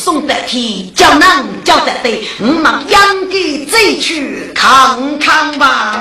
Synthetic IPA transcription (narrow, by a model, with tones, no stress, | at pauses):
sʊ˥˧ŋt̪ɛ˨ʔ̚t̪ʰi˧t͡ɕa˥˧wna˥˧˨ŋt͡ɕja˥˧˩wt̪ɛ˨t̪e˧˨ | ŋ̩˨˧˦ma˨˥ŋja˥ŋki˥˨t͡se˥˧t͡ɕʰy˥˧˩ | kʰa˧˩ŋkʰa˥˧ŋba˧